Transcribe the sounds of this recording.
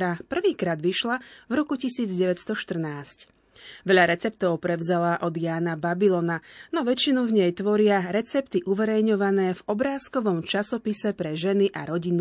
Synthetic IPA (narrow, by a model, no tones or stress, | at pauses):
ɾapr̩ʋiːkɾaːd̪ʋiʃlavɾɔkucisiːd͡zɟɛʋɛt̪st̪ɔʃt̪r̩naːsc | ʋɛʎaɾɛt͡sɛp̚t̪ɔʊpɾɛʊzalaːʔɔd̪jaːnababilɔnanɔʋɛt͡ʃinuvɲɛjt̪ʋɔɾɪaɾɛt͡sɛpt̪iʔuʋɛɾɛjɲɔʋanɛːvɔbɾaːskɔʋɔmt͡ʃasɔpisɛpɾɛʒɛniʔa̰ɾɔɟinu